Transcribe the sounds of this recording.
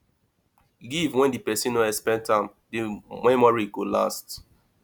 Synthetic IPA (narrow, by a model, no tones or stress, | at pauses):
ɡivwɛ̃ndipɛsĩnoɛspɛ̃ntʰãɪm | dimɛmɔɹiɡola̰st